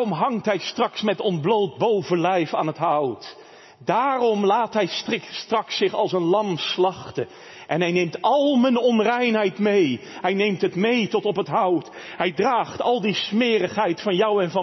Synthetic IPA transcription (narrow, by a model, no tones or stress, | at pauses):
ɔmɦɑŋtɦɛjstrɑksmɛtɔndblowt̚bowvəlɛjfaːnɦətɦʌwt | daːrɔmlaːtɦɛjtstrɑksɪχɑlˠsənlɑmslɑχtə | ʔɛnɦɛjnejmtɑlˠmənɔnrɛjnɦɛjtmejɦɛjnejmtɦətmejtɔtɔpɦətɦʌwt | ɦɛjdraːχtɑlˠdismɪːrəχɦɛjtfɑnjʌwɛnvɑ